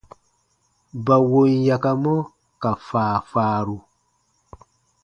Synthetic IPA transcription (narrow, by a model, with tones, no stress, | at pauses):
ba˨wo˧nja˨ka˧mɔ̃˦ | ka˨faː˨faː˨˦ɾu˧